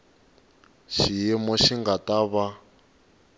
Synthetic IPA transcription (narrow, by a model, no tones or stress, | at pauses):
ʃijimɔʃiŋɡataβa